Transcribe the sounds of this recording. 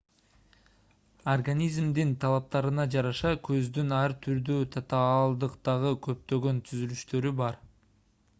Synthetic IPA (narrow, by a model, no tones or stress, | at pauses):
orɡanʲizmd̪int̪ʰɑlˠɑp̚t̪ɑɾɯnɑd͡ʒɑɾɑʃɑkʰø̞zd̪ynɑɾt̪ʰyɾd̪øt̪ʰɑt̪ɑlˠd̪ɯqt̪ɑʁɯkʰø̞p̚t̪ø̞ɡø̞nt̪ʰyzylyʃt̪ø̞ɾybɑɾ